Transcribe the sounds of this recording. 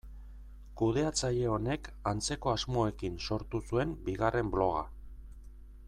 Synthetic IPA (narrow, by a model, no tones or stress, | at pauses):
kuðe̞at͡saʎe̞o̞ne̞kant͡se̞ko̞azmo̞e̞kinso̞ɾt̪usue̞mbiɣare̞mblo̞ɣ̞a̰